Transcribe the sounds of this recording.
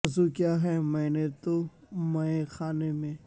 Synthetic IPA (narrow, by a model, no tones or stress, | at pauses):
zukjaːɦɛmɛːnet̪o | mɛ̃exaːnemẽː